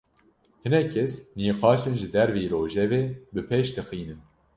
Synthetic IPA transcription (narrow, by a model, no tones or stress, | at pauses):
hɨnɛkʰːɛsniːqɑːʃɨnʒɨd̪ɛɾviːɾoːʒɛveːbɨpʰeːʃd̪ɨxiːnɨn